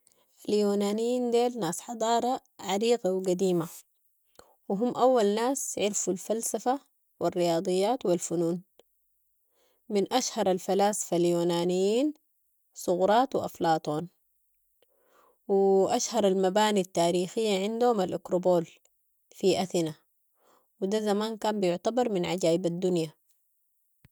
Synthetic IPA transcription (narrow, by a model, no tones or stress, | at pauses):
ʔaljuːnaːnijːiːnd̪eːlnaːsħɑd̪ˤɑːɾˤɑ | ʕaɾiːɡawɡad̪iːma | wɪɦumːʔawːalnaːsʕɪɾfulfalsafa | wɪrːɪjɑːd̪ˤɨjːaːt̪wilfunuːn | mɪnʔaʃhɑɾˤalfalaːsḁfaljuːnaːnijːiːn | sˤʊɣɾˤɑːt̪wɪ̰ʔa̰flɑːt̪ˤoːn | wiʔaʃhɑɾˤalmabaːnit̪ːaːɾiːxijːaʕɪnd̪uhumalʔakɾoboːl | fiʔaθina | wid̪azamaːnkaːmbijʊʕt̪abɑɾˤminʕaɟaːʔibad̪ːunja